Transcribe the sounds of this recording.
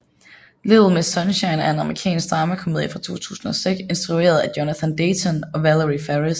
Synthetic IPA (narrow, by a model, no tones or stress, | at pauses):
leðˠl̩ˠmesɒ̽nɕɑɪnæɐe̝nɑ̈mʁikʰɛ̰ːnsɡ̥̚d̥ʁɑ̈məkʰomeðˠjəfʁɑ̈t͡sʰo̝̰ːt͡sʰṵːsn̩ɒ̽seɡ̥se̝nsd̥ʁue̝̰ːɐð̞̩ˠæd̥jonæθænd̥eɪt͡sʰɔnɒ̽ʋæləʁifæʁis